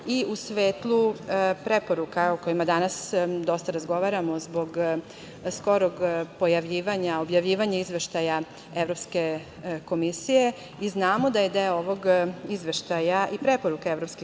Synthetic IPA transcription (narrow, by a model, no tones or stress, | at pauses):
iusʋeːt̪lˠupɾepoɾukaokojimad̪anasd̪o̞st̪aɾazɡo̞ʋaɾamozbo̞ɡ | sko̞ɾoɡpojaʋʎiːʋaɲaobjaʋʎiːʋaɲaizʋe̞ʃt̪aja | evɾo̞pske̞ | ko̞misije | iznaːmod̪ajed̪eoʋoɡizʋeʃt̪ajaʔipɾepo̞ɾukaevɾopski